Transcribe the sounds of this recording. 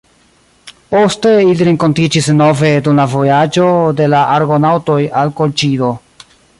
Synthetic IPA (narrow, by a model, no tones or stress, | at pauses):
poste̞iliɾe̞ŋko̞ntid͡ʒisno̞ve̞dumlavo̞jad͡ʒo̞de̞laʔaɾɡo̞nawto̞jalkolt͡ʃido̞